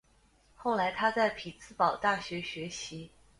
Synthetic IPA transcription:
xo˥˩ʊla˧˥ɪt̪ʰa˥t͡sa˥˩ɪpʰi˨˩t͡sʰɹ̩˥˩pɑ˨˩ʊt̪a˥˩ɕɥɛ˧˥ɕɥɛ˧˥ɕi˧˥

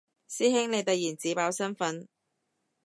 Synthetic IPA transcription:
siː˥hɪ˥ŋne˨˧jt̪ɐ˨j̚jiː˨˩nt͡siː˨˥paː˨˧wsɐ˥nfɐ˨˥n

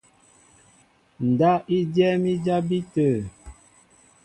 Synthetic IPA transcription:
n̩˨da˦i˦djɛ˦mi˦d͡ʒa˦bi˦tə˨

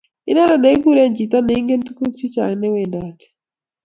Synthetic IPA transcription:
i˦na˦ɾa˨nɛ˨˦ɡu˦ɾe˦nd͡ʒi˨t̪a˦nɛ˨˦ŋɡe˦ntu˦ku˦kti˦t͡ʃa̰˨nɛ˦we˨nda˨ti̥˨

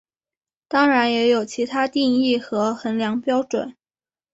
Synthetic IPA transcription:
t̪ɑ˥ŋɻa˧˥njɛ˧˥jo˨˩ʊt͡ɕʰi˧˥t̪ʰa˥t̪i˥˧ŋi˥˩xɤ˧˥xə˧˥nljɑ˧˥ŋpjɑ˥ʊʈ͡ʂwə̰˨˩˦n

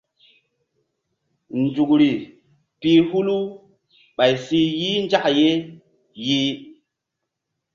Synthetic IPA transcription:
nd͡ʒu˨kɾi˨ | pi˦hu˦lu˦ | ɓa˨jsi˦ji˦nd͡ʒa˦ʔje˦ | ji˦

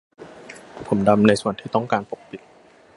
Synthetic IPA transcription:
pʰo˩˦mda˧mna˧jsu˨˩ənt̪ʰiː˥˩t̪ɔ˥˩ŋkaː˧npo˨˩k̚pi˨˩t̪̚

